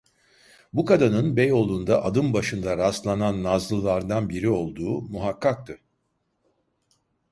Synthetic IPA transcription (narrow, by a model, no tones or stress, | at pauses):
bukad̪anɯnbejo̞lˠund̪aʔad̪ɯmbaʃɯnd̪aɾast̪lˠananːazlˠɯlˠaɾd̪anbiɾio̞lˠd̪uːmuɦakʰːak̚t̪ʰɯ